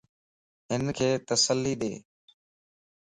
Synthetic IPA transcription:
ɦɪnkʰeːt̪əsəlːiːɗ̪eː

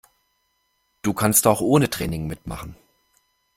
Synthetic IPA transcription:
d̥uːkʰanstaʊxʔoːnətʁ̥ɛːnɪŋmɪtma̰χn̩

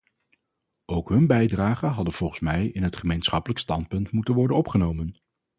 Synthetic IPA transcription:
owkɦɵnbɛjdraːχənɦɑdənv̥ɔlˠχəsmɛjɪnɦətχəmejnsχɑpələkstɑnt̚pɵntmutənʋɔɹdənɔpχənowmən

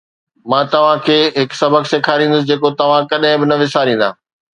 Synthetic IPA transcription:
mãːt̪ɐʋ̤ãkʰeːɦɪksɐbʱəkseːkʰaːɾĩːnd̪ʊs̬ɪd͡ʑeːkot̪ɐʋ̤ãkɐɗɦɪ̃bɪnɐʋɪsaːɾĩːnd̪a̰ː

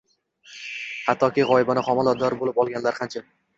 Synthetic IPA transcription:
hat̪ʰːɒkʲiʁɒɪbanɪχɒmalˠɒd̪ɒɾbolɪpɒlˠɡʲanlaɾχant͡ʃʰa

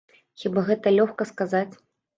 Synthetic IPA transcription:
xʲibaɣɛt̪ɐlʲɔxkɐskazat͡sʲ

